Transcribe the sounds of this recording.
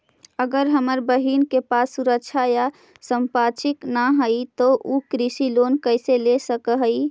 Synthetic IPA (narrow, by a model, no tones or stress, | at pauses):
əɡəɾɦəməɾbəɦinkepasːuɾək̚t͡ʃʰaja | səmpat͡ʃiknaɦəjt̪ɔʔukɾisilonkəɪselesəkəɦəj